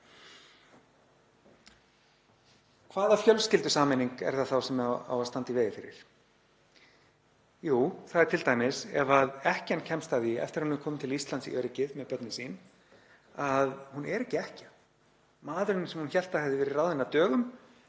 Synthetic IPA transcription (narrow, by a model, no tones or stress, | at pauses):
kʰvaːðafjœlscɪlt̪ʏsaːmɛniŋkɛ̰ɾ̥θaθawsɛma̰wast̪ant̪iveːjɪfɪɾɪ̰ɾ̥ | juːθaðɛɾt̪ʰɪlt̪ajmɪsɛvaðɛhcancʰɛmst̪aːðiɛ̰ft̪ɪɾaɾhunvɛɾkʰɔːmɪt̪ʰɪlist̪lant̪sḭʔœɾɪcɪðmɛðpœt̪nɪsiːn | aðhunɛɾɛhcːɪɛhcḁ | maːðɾʏɪnɪsɛmhunçɛl̥t̪ahɛvðɪvɛːɾɪrawðɪnːat̪œːɣʏm